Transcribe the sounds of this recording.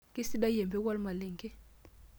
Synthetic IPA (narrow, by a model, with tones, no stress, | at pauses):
ki˦si˦ɗa˦jɛ˨mbɛ˦k̬wa˦lma˨le˨ŋkʼɛ˦